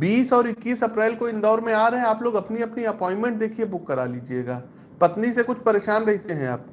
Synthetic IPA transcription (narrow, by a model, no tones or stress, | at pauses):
biːsɔːɾɪkːiːsɐpɾɛːlkoɪnd̪ɔːɾmẽaːɾɦɛ̃aːploːɡɐpniɐpniɐpɔ̃ːɪ̃nmɛ̃ɳʈ̚d̪eːkʰiebʊkːɐɾaːliːd͡ʒieːɡaː | pɐt̪nisekʊt͡ʃʰpɐɾeːʃaːnɾɛɦt̪eɦɛ̃a̰ːp̚